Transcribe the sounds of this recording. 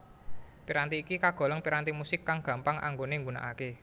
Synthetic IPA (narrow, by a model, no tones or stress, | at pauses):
piɾant̪iːkikaɡ̥ɔ̤lɔŋpiɾant̪imusɪkːaŋɡ̥ä̤mpaŋʔa̰ŋɡoneŋɡuna̰ʔake